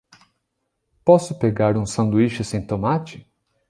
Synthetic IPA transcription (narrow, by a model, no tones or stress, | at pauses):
pɔsʊpeɡaɾũsɐ̃nd̪uiʃʊsẽj̃t̪omat͡ʃɪ